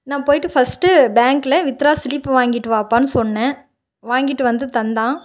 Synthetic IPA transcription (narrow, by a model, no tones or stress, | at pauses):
nãːpoːjʈːɯfɐsʈɯbaːŋklɛʋɪt̪ɾaːsɪlipːɯʋaːŋɡɪʈːɯʋaːpːaːnɯsɔnːɛ̃ː | ʋaːŋɡɪʈːɯʋɐnd̪ɯt̪ɐnd̪ãː